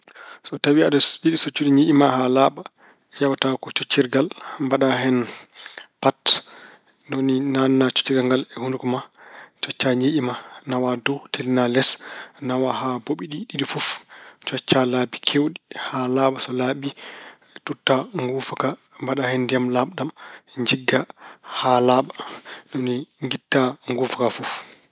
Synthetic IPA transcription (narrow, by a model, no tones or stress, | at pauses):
sɔtawiaɗasɓiɗisɔt͡ʃːuɗiɲiʔimaɦalaɓa | d͡ʒawatakɔt͡ʃot͡ʃːiɾɡalmbaɗaɦɛn | pat | ndoninanːat͡ʃu̥t͡ʃːiɡaŋɡalɛhundukɔmat͡ʃɔt͡ʃːaɲeʔimanawadɔtʰelinalɛsnawaɦaboɓiɗiɗiɗifuft͡ʃɔt͡ʃːalabikʰewɗihalaːɓasɔlabi | tutːaŋɡufaka | mbaɗahɛndijamlaɓɗamɲd͡ʒiɡːahalaɓandɔniŋɡitːaŋɡufakafuf